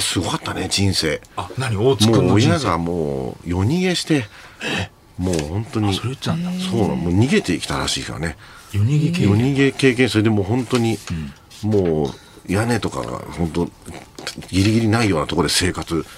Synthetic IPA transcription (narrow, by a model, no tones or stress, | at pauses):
sɨɡo̞kat̪ːaned͡ʑĩɰ̃se̞ːnaɲimoojaɡamo̰ːjo̞ɲ̟iɡe̞ɕi̥t̪e̞ | mo̞ːhõ̞nt̪o̞ɲ̟iso̞ːna̰moːɲ̟iɡe̞t̪e̞ikʲi̥t̪aɾaɕḭːka̰ne̞ | jɡjo̞ɲ̟iɡe̞ke̞ːk̬ẽsoɾed̪e̞mo̞ːɦõ̞nt̪o̞ɲ̟i | moː | jane̞t̪o̞ka̰ɡa̰hõ̞nt̪o | ɡʲiɾʲiɡʲiɾʲinaijo̞ːnat̪o̞kod̪e̞se̞ːkat͡sɨ